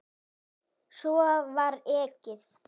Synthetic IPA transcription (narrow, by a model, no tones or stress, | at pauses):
suavaɾɛːcɪð